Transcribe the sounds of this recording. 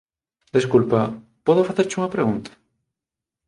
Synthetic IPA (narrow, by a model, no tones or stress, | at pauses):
d̪eskulpa | pɔðofaθeɾt͡ʃuŋɐpɾeɣunt̪ḁ